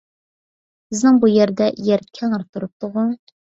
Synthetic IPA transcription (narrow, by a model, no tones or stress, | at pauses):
bɪznɪŋbujeɾd̪ɛjɛɾkʲʰɛŋəɾt̪ʰuɾup̚t̪ʰʊʁu